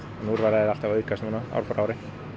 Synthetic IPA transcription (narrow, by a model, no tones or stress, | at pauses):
ɔnuɾvaɾaðɪalt̪avœɥkʰast̪unaa̰wɾpɔɾawɾɪ